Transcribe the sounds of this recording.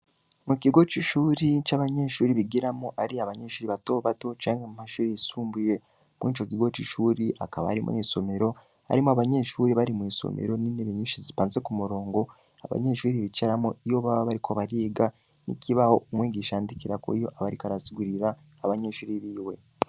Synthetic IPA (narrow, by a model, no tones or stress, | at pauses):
mukiɡo̞t͡ʃiʃuːɾit͡ʃaβaɲe̞ːʃuːɾiβiɡiɾamoʔaɾiaβaɲe̞ʃuːɾiβatoːβato̞t͡ʃaːŋɡamumaʃuːɾiasuːmbuje̞ | mwit͡ʃo̞kiɡo̞t͡ʃiʃuːɾiʔa̰kaβa̰haɾimʔṵniso̞me̞ɾo̞ | ha̰ɾimoaβaɲe̞ʃuːɾiβaɾimwiːso̰mḛɾo̞nineβeɲiːʃizipaːnzekumuɾo̞ːŋɡo̞ | a̰βa̰ɲeʃuːɾiβit͡ʃaɾamoijo̞βaβaβaɾikʰoβaɾiːɡa | nḭkʰiβaho̞ʔumwiːɡiːʃaːndikiɾako̰ijo̞ʔaβaɾikaɾasiɡuɾiɾaː | βaɲeʃuːɾiβiːwe̞̰